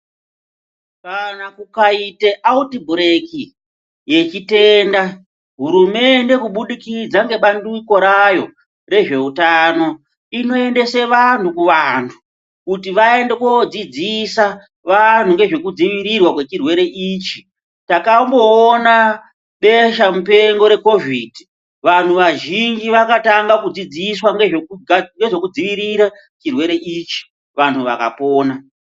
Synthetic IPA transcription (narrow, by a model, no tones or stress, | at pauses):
kanakukaiteʔautibuɾeki | je̞t͡ʃite̞nda | ɦuɾume̞nde̞kuɓuɗikid͡zaŋɡe̞ɓanduiko̞ɾajo̞ | re̞ʐe̞utano̞ | ino̞e̞nde̞se̞ʋan̤ukuʋantʰu̥ | kutiʋae̞nde̞kwod͡zid͡zisa | ʋan̤uŋɡe̞ʐe̞kud͡ziʋiɾirwakwe̞t͡ʃirwe̞ɾe̞ʔiːt͡ʃi̥ | takambo̞ːna | ɓe̞ʃamupe̞ŋɡo̞ɾe̞ko̞viːdʱi | ʋan̤uʋaʒind͡ʒiʋakataŋɡakud͡zid͡ziswaŋɡeʐeŋɡe̞ʐe̞kud͡ziʋiɾiɾa | t͡ʃirwe̞ɾe̞ʔit͡ʃi̥ | ʋan̤ʰuʋa̰ka̰poːna